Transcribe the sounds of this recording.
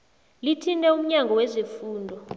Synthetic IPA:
litʰintʼɛum̩ɲaŋɡʱɔwɛzefuːndʱɔ

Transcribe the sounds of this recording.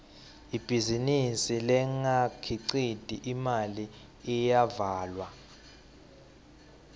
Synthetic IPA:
ib̥ʱizinisilɛŋakʰiǀid̥ʱiʔimali | ɛjavaːlwa

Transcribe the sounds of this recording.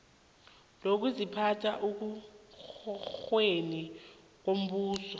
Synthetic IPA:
lok̬uzipʰatʰaʔuk̬u | xweni | k̬wom̩ɓuːsɔ

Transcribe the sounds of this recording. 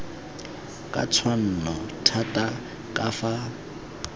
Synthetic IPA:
kʼa̰t͡sʰwan̩nɔtʰatʼa | kʼafa

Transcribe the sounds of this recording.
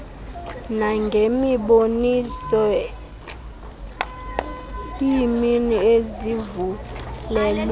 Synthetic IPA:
naŋɡʱemiɓonisɔ | iminiezivulɛl

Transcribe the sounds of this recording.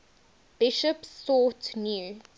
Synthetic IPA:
b̥ɪʃəpsːɔˑtnju

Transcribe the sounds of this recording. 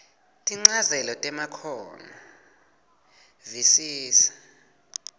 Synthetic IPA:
tʼiŋ͡ǀazɛlɔtʼɛmakʰɔːna | visiːsḁ

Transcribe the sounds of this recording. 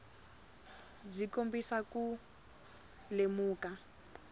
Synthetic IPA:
b͡ʐikombisaku | lemuːka

